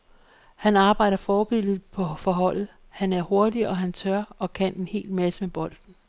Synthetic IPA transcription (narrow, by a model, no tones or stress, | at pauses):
hænɑ̈ːb̥ɑ̈ɪ̰d̥ɐfɒːb̥e̝l̰ðˠpʰɒ̽fɒ̽ɦɒ̽l̰ð̩ˠ | hænæɐho̝ɐd̥iɒ̽ɦænt͡sʰɶɐɒ̽kʰæn̰e̝nhe̝̰ːlmæsəmeb̥ɒ̽l̰d̥n̩